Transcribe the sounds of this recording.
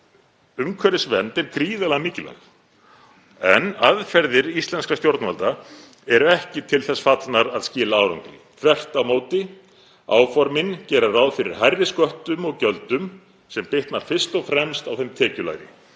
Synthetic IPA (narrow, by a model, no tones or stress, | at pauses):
ʏmkʰvœɾɪsvɛnt̪ɛɾkɾiːðalɛɣamɪːcɪla̰ | ɛnaðfɛɾðɪɾist̪lɛnskɾast̪jowɾt̪nva̰lt̪a | ɛɾʏɛhcɪt̪ʰɪlθɛsːfat̪naɾaðscɪːlaaːwɾa̰ŋt̪ɾɪ̰θʰvɛr̥t̪awmoːwt̪ɪ | a̰ːwfɔɾmɪncɛːɾaraːwðfɪɾɪ̰ɾ̥ɦajrːɪskœht̪ʏmɔɣcœlt̪ʏm | sɛmpɪht̪naɾ̥fɪr̥st̪ɔfɾɛmst̪awθejmt̪ʰɛːcʏla̰ːjɾɪ̰